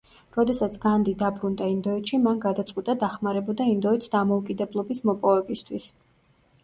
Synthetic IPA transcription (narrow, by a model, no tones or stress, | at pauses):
ɾɔd̪ɛsat̪sʰɡ̥and̪id̪abɾund̪aind̪ɔɛt̪ʃimanɡad̪at̪sʼqʼwit̪ʼad̪aχmaɾɛbɔd̪aind̪ɔɛt̪sd̪amɔukʼid̪ɛblˠɔbismɔpʼɔvɛbist̪ʰwis